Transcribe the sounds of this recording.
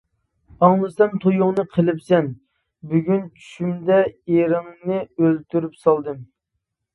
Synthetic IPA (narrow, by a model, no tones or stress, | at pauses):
ɑŋlˠɨsɛmt̪ʰojʊŋnɨqʰəlɪpsɛn | byɡʲynt͡ʃʰy̥ʃymd̪ɛeɾɪŋnɨølt̪ʰyɾypsɑlˠd̪ɨm